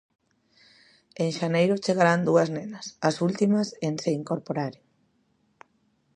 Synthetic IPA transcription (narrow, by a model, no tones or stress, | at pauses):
eŋʃanejɾʊt͡ʃeɣaɾand̪uɐznenɐsɐsult̪imɐsent̪ɾeiŋkoɾpoɾaɾjʊ